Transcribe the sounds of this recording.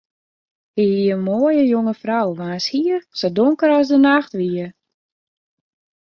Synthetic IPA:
hiiənmoːjəjoŋəfrawʋaːnshiərsodoŋkəɾasdənaxtʋiə

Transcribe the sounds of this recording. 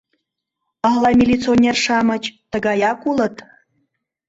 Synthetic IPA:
əhlˠɑmʲilʲit͡sonʲerʃɑmə̆t͡ɕt̪əɡɑjɑkulə̆t̪

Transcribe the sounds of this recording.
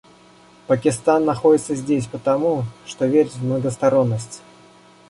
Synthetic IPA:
pəkʲɪst̪anːɐxo̞dʲɪt̪səzʲdʲesʲpət̪ɐmuʂt̪o̞vʲeɾʲɪmnəɡəst̪ɐɾo̞nːəsʲtʲ

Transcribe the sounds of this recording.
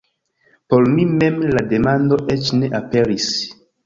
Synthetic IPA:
po̞ɾmime̞mlade̞mando̞ʔet͡ʃne̞ʔape̞ɾis

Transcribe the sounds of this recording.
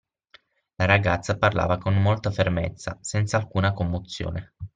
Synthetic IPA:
laɾaɡat̪sːaparla̰ːvakomːolt̪afermḛt̪sːa̰sɛnt̪saːlkuːnakomːot̪sːjo̰ːne

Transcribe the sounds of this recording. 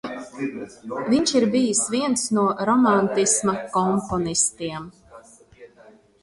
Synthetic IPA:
viɲʃiɾbijisviɛnsnuɔɾɔmant̪ismakɔmpɔnist̪iɛm

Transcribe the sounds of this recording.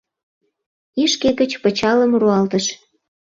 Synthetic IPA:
iʃkeɣət͡ɕpə̆t͡ɕɑləmruɑlt̪əʃ

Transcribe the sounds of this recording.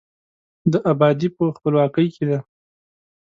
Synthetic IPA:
d̪əʔabɑd̪ipəxpəlwɑkəjkʰed̪a

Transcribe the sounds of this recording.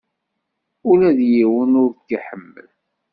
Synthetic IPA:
ʊlæðjiwənʊɾkːiħəmːə̰l

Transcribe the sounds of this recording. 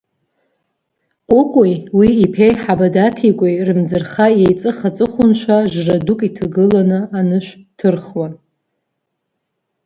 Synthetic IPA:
kʷʼʊkʷʼjwiːpʰejħabadatʰikʷʼejrɨmd͡zɨrχajejt͡sʼɨχat͡sʼɨχʷʊnt͡ʃʷʰaʒradukʼitʰaɡɨlanɨanɨʃᶣʷtʰɨrχwa

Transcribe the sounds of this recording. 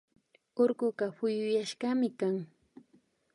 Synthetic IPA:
oɾɢʊɢɑɸʊjʊjaʃɢɑmɪkaŋ

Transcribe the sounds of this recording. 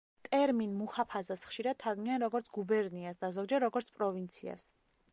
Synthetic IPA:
t̪ʼɛɾminmuhapʰazasχʃiɾad̪̥̚t̪ʰːaɾɡmnianɾɔɡɔɾt̪sʰɡ̥ubɛɾniasd̪azɔɡd͡ʒɛɾɾɔɡɔɾt̪sʰpʼɾɔvint̪sʰḭa̰s

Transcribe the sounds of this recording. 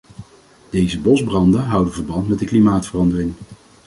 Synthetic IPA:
d̥ejzəbɔzbrɑndənɦʌwdənvəɹbɑntmɛt̚dəklimaːtfərɑndərɪŋ

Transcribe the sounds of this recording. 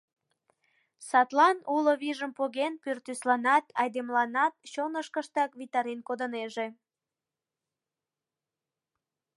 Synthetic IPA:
sɑt̪lɑnuloβiʒəmpoɣenpyrt̪yslɑnɑt̪ʰɑjd̪emlɑnɑt̪̚t͡ɕonəʃkəʃt̪ɑkβit̪ɑɾenkod̪əneʒe

